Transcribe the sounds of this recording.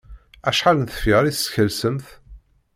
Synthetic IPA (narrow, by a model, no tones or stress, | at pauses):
æʃħalənθə̥fɪʁɾissçəlsəmθ